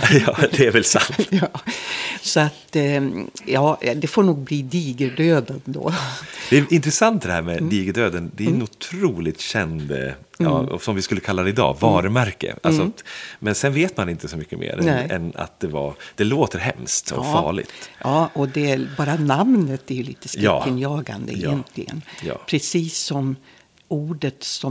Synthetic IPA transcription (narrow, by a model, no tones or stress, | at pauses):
jɑːd̪ɛæɾvɛlsa̰nt̪ | sɔat̪ | jɑːd̪ɛfoːɳuːɡ̚bliːd̪iːɡəɖøːd̪ad̪o̰d̪ɛæʔɪnt̪ɾɛsant̪̚d̪ɛhæːɾmɛd̪iːɡəɖ̪øːd̪ənd̪ɛæɛnʊt̪ʰɾuːlɪt̪ɕɛnd̪ɑ̰ɔ̰sɔmvɪskɵlːəkʰalːad̪ɛɪd̪ɑ̰ːvɑːɾəmæɾkə̰ʔalsɔat̪mɛnsɛnveːt̪manɪnt̪əsɔmʏkːəmʔḛːɾɛ̰na̰t̪̚d̪̥ɛva̰ɾd̪̥ɛloːt̪əɾɦɛ̰mst̪ɔ̰fːɭɪ̰ɡt̪jɑːʔɔd̪ɛbɑːɾanamnət̪æɾjɵlḭːt̪əskɑːɪnjɑːɡa̰nd̪ə̰ɪjɛnt̪ʰlɪɡə̰njɑ̰ːpʰɾɛsiːsːɔm | uːɖət̪sɔ